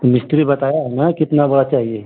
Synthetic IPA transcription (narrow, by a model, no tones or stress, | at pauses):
omɪsʈɾibɐt̪aːjaɦɛnakɪt̪nabɐɽat͡ʃaːɦie